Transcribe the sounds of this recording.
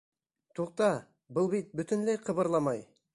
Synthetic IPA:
t̪ʰuq̚t̪ɑ | bəlˠbit̪̚bʏt̪ɪnlejqʰɤβɤ̆ɾlˠɑmɑj

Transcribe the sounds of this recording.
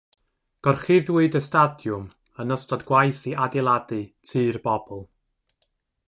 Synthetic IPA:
ɡ̥ɔrχɪðwɨdəstadjʊm | ənəstɔdɡwajθiʔadɪlˠadɨtʰɨːrbɔbɔlˠ

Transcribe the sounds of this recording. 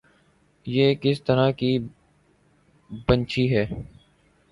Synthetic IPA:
jeːkɪst̪əɾaːkiː | bənt͡ʃiɦɛː

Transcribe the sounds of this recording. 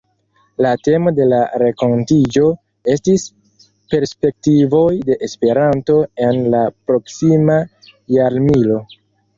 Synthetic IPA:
late̞mo̞de̞laɾeko̞ntid͡ʒo̞ | e̞stis | pe̞ɾspe̞k̚tivo̞jde̞ʔespe̞ɾanto̞e̞nlapɾo̞ksima | jaɾmilo̞

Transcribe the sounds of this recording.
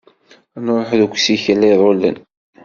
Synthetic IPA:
noɾˤoħðukʷsiçəlːæðˤolə̰n

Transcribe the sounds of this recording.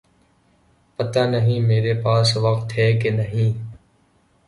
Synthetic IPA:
pət̪aːnəɦĩːmeːɾeːpaːsʋək̚t̪ɦɛːkeːnəɦĩː

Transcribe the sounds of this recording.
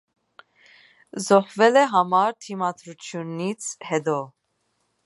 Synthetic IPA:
zɔχvɛlɛɦɑmɑɾt̪ʰimɑd̪ɾut͡sʰjunit͡sʰhɛd̪ɔ

